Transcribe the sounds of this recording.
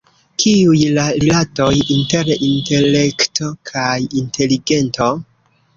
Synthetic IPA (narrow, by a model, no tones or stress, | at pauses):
kʰiujlaɾilato̞jinte̞ɾinte̞le̞kto̞kʰajinte̞liɡe̞nto̞